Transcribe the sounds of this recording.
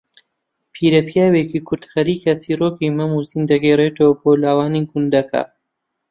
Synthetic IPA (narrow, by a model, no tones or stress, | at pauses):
pʰiːɾɐpjaːweːkikʰʊɾd̪xɐɾiːkat͡siːroːkimɐmuːsiːnd̪ɐɡeːreːt̪owboːlaːwaːnikund̪ɐkʰa̰